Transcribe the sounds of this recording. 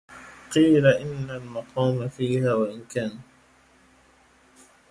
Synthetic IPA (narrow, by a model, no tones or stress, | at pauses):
qiːlaʔɪnːalmɑqʰɑːmafiːhaːwaʔɪnkaːna